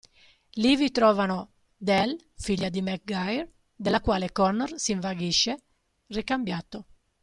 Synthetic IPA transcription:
livit̪ɾɔːvano | d̪ɛl | fiʎːad̪imɛk̚ɡajɾ | d̪elːakwaːlekɔnːɔrsiɱvaɡiʃːe | rikambjat̪ːo

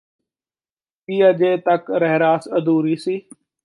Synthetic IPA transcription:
piːad͡ʒeːt̪ɐkɾɛɦɾaːsəd̪uːɾiːsiː

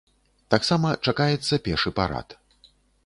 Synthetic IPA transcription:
t̪aksamɐt͡ʂakajɛt̪sːɐpʲɛʂɨpa̰ɾa̰t̪

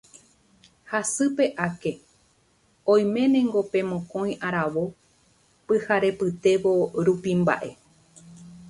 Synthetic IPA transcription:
hasɨpe̞ʔake̞ | õj̃mẽ̞nẽŋɡo̞pẽ̞mõkõ̞j̃ʔaɾaʋo̞ | pɨhaɾe̞pɨt̪e̞ʋo̞ɾupimba̰ʔe̞

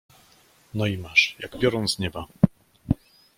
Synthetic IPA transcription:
nɔimaʂja̰ɡbʲjɔɾɔnt̪sɲɛba

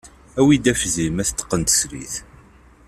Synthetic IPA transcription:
æwid̪æfzimæθt̪ːə̥qːənt̪ə̥sɾḭθ

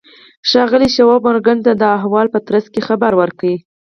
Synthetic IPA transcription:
ʃɑɣəliʃawɑbʊɾɡant̪ad̪əaɦwɑlpət̪ɾaskexabaɾwəɾkawi

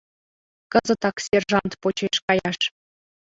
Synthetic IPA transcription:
kɤ̆zɤ̆t̪ɑksʲerʒɑnt̪pot͡ɕeʃkɑjɑʃ

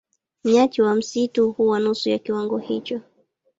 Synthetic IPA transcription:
m̩ɲat͡ʃiwam̩situhuwanusujakiwaŋɡɔhit͡ʃɔ

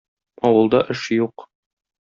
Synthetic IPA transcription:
ɒwɤ̆lˠd̪ɑʔɘʃjuq

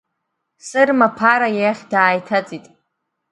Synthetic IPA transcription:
sʼɨrmapʰaɾajaχʲdaːjtʰat͡sʼitʼ

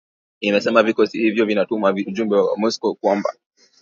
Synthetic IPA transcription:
inasɛmavikɔsihivjɔvinatumavuʄumbɛwaa̰mɔskɔkwamba̰

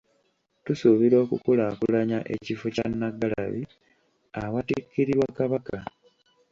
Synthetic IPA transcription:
tusuβiɾo̞ːkukulaːkulaɲaʔḛcifoca̰nːaɡala̰βi | awatikːiɾiɾwakaβaka

